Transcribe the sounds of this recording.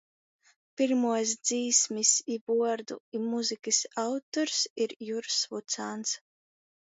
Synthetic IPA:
piɾmuɔs̬d̪ziːsmisibuɔɾd̪ṵimuzikɨsawt̪ɔɾsiɾjuɾsvut̪saːnt̪s

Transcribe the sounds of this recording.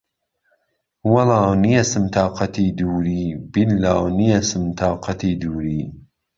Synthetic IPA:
wɐlaːwnijɐsɨmt̪ʰɑːqɐt̪iːd̪uːɾiːbinːaːwnijɐsɨmt̪ʰɑːqʰɑt̪ʰiːd̪uːɾiː

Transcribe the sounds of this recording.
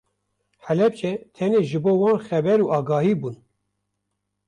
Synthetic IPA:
ħælɛp̚t͡ʃʰɛt̪ʰɛneːʒɨboːwɑːnxɛbɛɾuːɑːɡɑːhiːbuːn

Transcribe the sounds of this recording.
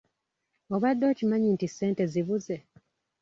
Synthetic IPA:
oβadːo̞ːcimaɲintisːe̞ːnte̞ziβuze̞

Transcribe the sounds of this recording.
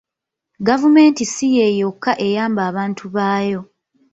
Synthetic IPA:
ɡavume̞ːntisije̞ːjokːaʔe̞jaːmbaːβaːntuβaːjo̞

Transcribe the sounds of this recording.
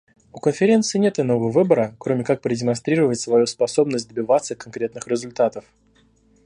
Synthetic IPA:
ʊkənfʲɪɾʲe̞nt̪sɨɪnʲe̞t̪ɨno̞vəəvɨbəɾəkɾo̞mʲɪkak̚pɾədʲɪmɐnst̪ɾʲiɾəvətʲsvɐjuspɐso̞bnəsʲt̚ʲd̪əbʲɪvat̪sːəkɐnkɾʲe̞t̪nɨxɾʲɪzʊlʲt̪at̪əf

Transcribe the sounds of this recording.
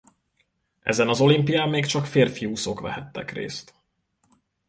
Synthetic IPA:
ʔɛ̰zɛnɒzo̞limpijaːmːeːkt͡ʃɒkfeːrfiusokʋvɛ̰ɦɛt̪ːɛ̰krḛːst̪

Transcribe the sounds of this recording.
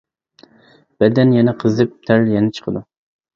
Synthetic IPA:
b̥ɛd̪ɛnjɛnɛqʰəzɨp̚t̪ʰæɾjɛnɛt͡ʃʰə̥qʰəd̪u

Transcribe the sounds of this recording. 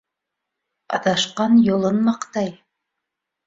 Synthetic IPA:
ɑ̰ðɑʃqɑnjŏlˠɤnːɑqt̪ɑj

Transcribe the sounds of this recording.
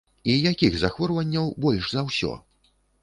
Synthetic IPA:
ijakʲiɣzɐxvɔrvɐnʲːɐwbɔlʲʂzɐwsʲɔ̰

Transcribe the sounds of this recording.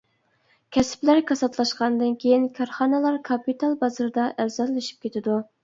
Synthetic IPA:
kʲʰɛsɪ̥plæɾkʰɑsɑt̪lˠɑʃqɑnd̪ɨnkʲʰejinkʰɑɾχɑːnɨlˠɑɾkʰɑpit̪ʰɑlˠbɑzɨɾd̪ɑʔæɾzɛlːɪʃi̥p̚kʲʰet̪ʰɪd̪u

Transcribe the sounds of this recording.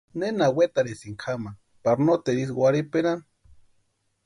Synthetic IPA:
nenawet̪aɾesiŋkʰama | paɾnot̪eɾiswʷaɾipeɾan

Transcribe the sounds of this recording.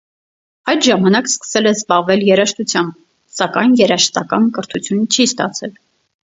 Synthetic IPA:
ɑjd̪ʒɑmɑnɑkskə̥sɛlɛzbɑʁvɛljɛɾɑʃt̪ut͡sʰjɑmb̚ | sɑkɑjnjɛɾɑʃt̪ɑkɑ̰nkəɾt̪ʰut͡sʰjunt͡ʃʰist̪ɑt͡sʰɛl

